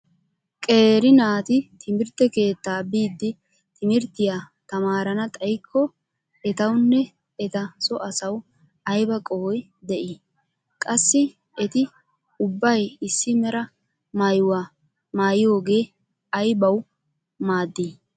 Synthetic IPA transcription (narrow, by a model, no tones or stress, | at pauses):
kʼeːɾɪnaːt̪ɪt̪ʰɪmɪɾt̪ːɛke̞ːt̪ːaːbiːd̪ːɪ | t̪ɪmɪɾt̪ːɪjaː | t̪ɐmaːɾɐnɐt̪ʼɐjkʰːɔ | ɛt̪ɐwnːɛ | ɛt̪ɐsɔʔɐsɐw | ɐjbɐkʼɔwɔj | d̪ɛʔɪ | kʼɐsːɪ | ɛt̪ɪ | ʊbːɐjɪsːɪmɛɾɐ | maːjʊwaː | maːjɪjo̞ːɡe̞ː | ɐjbɐw | maːd̪ːiː